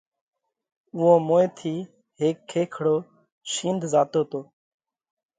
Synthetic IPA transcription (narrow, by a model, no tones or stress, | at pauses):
ʊõːmoːet̪ʰiː | ɦeːkʰːeːkʰɽoː | ʃĩːnd̪ʱzaːt̪oːt̪oː